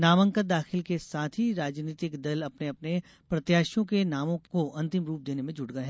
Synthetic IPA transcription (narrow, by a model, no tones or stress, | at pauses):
naːʋə̃ŋkəd̪aːxɪlkesaːt̪ʰɦiɾaːd͡ʒniːt̪ɪkd̪ɐlɐpneɐpne | pɾɐt̪jaːʃjõkenaːmõkoʔɐ̃nt̪ɪmɾuːp̚d̪eːnemẽd͡ʒʊɽɡɐɦɛː